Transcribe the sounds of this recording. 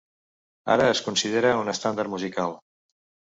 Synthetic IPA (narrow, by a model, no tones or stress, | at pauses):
a̰ɾəːskunsið̞eɾəunəst̪and̪əɾmuzikalˠ